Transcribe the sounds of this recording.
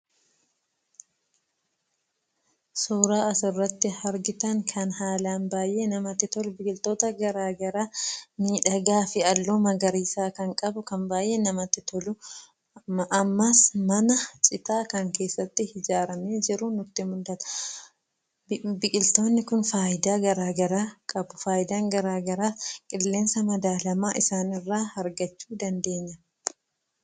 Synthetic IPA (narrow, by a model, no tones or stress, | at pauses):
suːɾaːɐsʊrːɐt̪ːɪhɐɾɡɪt̪ɐŋkʰɐnhaːlaːnbaːjʔeːnɐmɐt̪ːɪt̪ɔlʊbɪkʼɪlt̪o̞ːt̪ɐɡɐɾaːɡɐɾaːmiːᶑɐɡaːfɪɐlːoːmɐɡɐɾiːsaːkɐŋkʼɐbʊkɐnbaːjʔe̞ːnɐmɐt̪ːɪt̪ɔlʊ | ɐmːɐsmɐnɐt͡ʃʼɪt̪aːkɐŋke̞ːsːɐt̪ːɪhɪd͡ʒaːɾɐmeːd͡ʒɪɾʊnʊt̪ːɪmʊlːɐt̪ɐ̥ | bɪkʼɪlt̪o̞ːnːɪkʊnfaːʔɪd̪aːɡɐɾaːɡɐɾaːkʼɐbʊfaːjɪd̪aːŋɡɐɾaːɡɐɾaːskʼɪlːe̞ːnsɐmɐd̪aːlɐmaːʔɪsaːnɪrːaːhɐɾɡɐt͡ʃːuːd̪ɐnd̪e̞ːɲːɐ